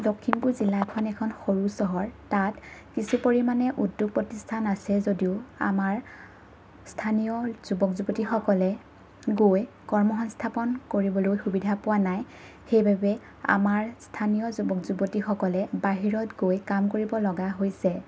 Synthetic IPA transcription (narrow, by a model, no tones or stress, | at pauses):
dɔkʰːinpuɹzilakʰɔnɛkʰɔnxoɹusɔɦɔɹtatkisupoɹimanɛʔudːuɡ̚pɹɔtistʰanasɛzodiʊa̰maɹ | stʰanijɔz̥ubɔkzubotixɔkɔlɛ | ɡoj | kɔɹmɔxɔnstʰapɔnkoɹibɔlojxubidʱapʊwanaj | xejbʱabɛ | a̰maɹstʰanijɔzubɔkzubɔtixɔkɔlɛbaɦiɹɔtɡojkamkoɹibɔlɔɡaɦojsɛ